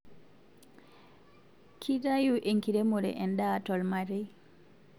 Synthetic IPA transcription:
kʰidajuʔeŋkiɾemuɾɛ̰ʔɛndatɔlmaɾɛj

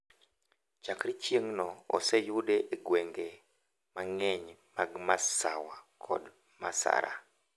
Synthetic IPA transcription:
t͡ʃakɾit͡ʃjeŋnɔɔ̰sejudeʔeɡweŋɡe | maŋɛɲmaɡmasawakʰɔ̰d | masa̰ɾa̰

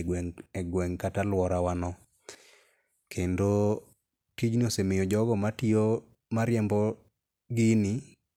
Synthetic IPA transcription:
ɛɛɡwɛŋkatalwɔɾawanɔ | kʰendo | tid͡ʒniosemejod͡ʒɔɡɔmatio | maɾjɛmbɔ | ɡɪni

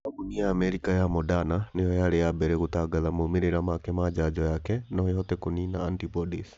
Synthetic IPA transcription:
kuniaːmɛɾikajamɔdananejɔjaɾejabɛɾɛɣotaɡaðamomeɾeɾamakɛmad͡ʒad͡ʒɔjakɛnɔjeɦɔtɛkoninaːntipɔdis

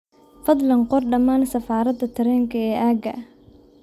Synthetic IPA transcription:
fɐd̪lɐnqɔrɖɐmaːnsɐfaːɾɐd̪ɐt̪ʰɐɾɛːŋkʰɐɛːʔaːɡɐʔ

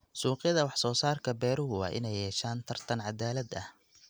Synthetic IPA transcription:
suːqɪjɐðɐwɑħsɔːsaːrkʰɐbɛːɾʊɦʊwɑ̰ːʔɪ̰nɛjːɛːʃaːnt̪ʰɐrt̪ʰɐnʕɑd̪aːlɐd̪ɐh

